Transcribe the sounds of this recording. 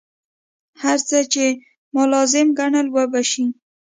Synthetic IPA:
haɾt͡sət͡ʃe | mʊlɑzɪmɡaɳəlwəbaʃi

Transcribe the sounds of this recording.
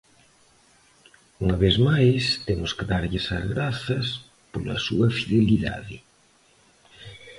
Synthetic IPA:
uŋɐβezmajst̪emʊskeðaɾʎɪsɐ̰zɣɾaθɐs | polɐ̰sṵɐfiðeliða̰ðɪ

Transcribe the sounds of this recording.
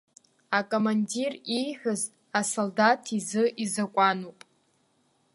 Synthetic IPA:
akʼomandirijħʷᶣʊz | asoldatʰizɨʔizakʷʼanupʼ

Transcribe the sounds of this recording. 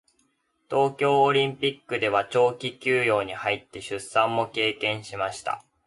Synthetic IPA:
t̪o̞ːkʲo̞ːɾʲĩmpʲikːɯ̟d̪e̞β̞at͡ɕo̞ːkʲikʲɨːjo̞ːɲ̟ihait̪ːe̞ɕɨsːãmːo̞ke̞ːkẽ̞ɰ̃ɕimaɕi̥t̪a̰

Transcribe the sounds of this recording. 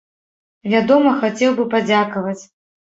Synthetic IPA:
vʲad̪ɔmɐxat͡sʲɛwbɨpad͡zʲakɐvɐt͡sʲ

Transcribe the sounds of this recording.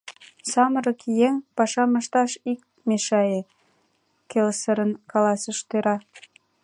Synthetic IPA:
sɑməɾɤ̆kjeŋpɑʃɑməʃt̪ɑʃik̚ | meʃɑje | kelsə̆ɾə̆nkɑlɑsə̆ʃt̪øɾɑ

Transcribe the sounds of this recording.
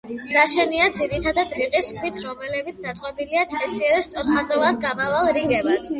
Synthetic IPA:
ɾaʃɛniad̪ziɾit̪ʰad̪ad̪ɾiqʼiskʰwit̪ʰɾɔmɛlɛbit̪sʰd̪at̪sʼɛbiliat̪sʼɛsiɛɾɛst̪sʼɔɾχazɔvad̪ɡamavalˠɾiŋɡɛbad̪̥

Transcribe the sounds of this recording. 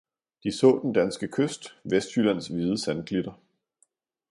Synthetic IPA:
d̥isɔ̰̽ːd̥end̥ænsɡ̥əkʰøsd̥ʋesd̥hylæn̰sʋiːðˠəsænkʰlid̥ɐ

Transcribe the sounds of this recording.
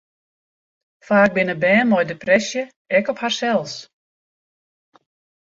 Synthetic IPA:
faːɡ̚bɪnəbɛːnmɔjdeprɛsjə | ɛkɔpharsɛlˠs

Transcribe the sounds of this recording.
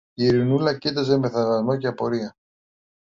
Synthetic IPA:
iɾinulɐcit̪̬ɐze̞me̞θɐvɐzmo̞ceɐpo̞ɾiɐ

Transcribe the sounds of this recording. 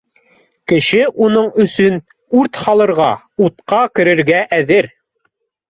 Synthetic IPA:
kɘ̆ʃɘʔunɤɴɵ̆sɵn | uɾt̪hɑlˠɤ̆ɾʁɑ | ut̪qɑkɘ̆ɾɘ̆ɾɡæʔæðɘɾ

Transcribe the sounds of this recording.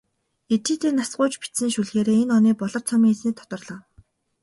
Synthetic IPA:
et̪iːt̪eːnasɢʊːt͡ɕpi̥t̪sɘ̆nʃuɮxeːɾeːenɔniːpɔɮɞ̆rt͡sʰɔmiːŋet͡sniːk̚t̪ʰɔ̥t̪ɞ̆rɮɞ̆ːw

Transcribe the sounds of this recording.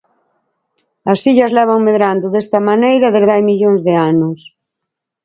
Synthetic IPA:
ɐsiʎɐzlɛβ̞aŋmeðɾand̪ʊðest̪ɐmanejɾɐðezðajmiʎoŋzðeanʊs

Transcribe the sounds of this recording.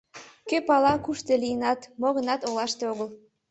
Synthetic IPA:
køpɑlɑkuʃt̪elijənɑt̪moɣənɑt̪olɑʃt̪eoɣəl

